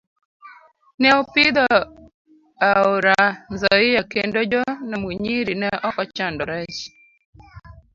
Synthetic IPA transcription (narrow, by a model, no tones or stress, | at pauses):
nɛɔpiðɔ | aoɾanzɔijakendod͡ʒɔnamuɲiɾinɛʔɔʔɔt͡ʃandɔɾɛt͡ʃi̥